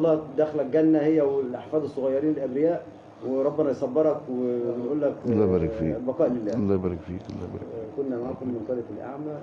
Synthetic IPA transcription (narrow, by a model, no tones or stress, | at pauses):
lˤːɑːd̪æxlæk̚ɡænːæhejːæwelʔɑħfæːd̪ˤesˤːoɣɑjːɑɾˤiːnelʔæbɾɪjæːʔ | weɾˤɑbːenɑjsˤɑbːeɾˤɑkwenʔuːlːæklˤːɑbæːɾˤɑkfḭːbɑqɑːʔlelːæːlˤːɑːbæːɾˤɑkfḭːkolːæ̰æ̰konːæmaʕaːkomːenk̪æːlefelʔa̰ʕmæ